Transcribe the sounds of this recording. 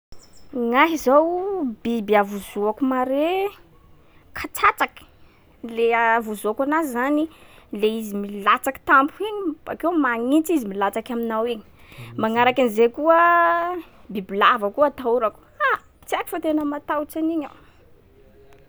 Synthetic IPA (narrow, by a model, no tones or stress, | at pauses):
ŋaɦizawbibiavuzuakumaɾe | kʰat͡sat͡sakə̥ | leavuzuakanazizanileizimilat͡saki̥t̪ampuiɲibakewmaŋit͡sizimilat͡sakaminawiɲi̥ | maŋaɾakanizekuə | bibilavakuat̪auɾaku̥a | t͡siaki̥fot̪enəmat̪awt͡saniɲa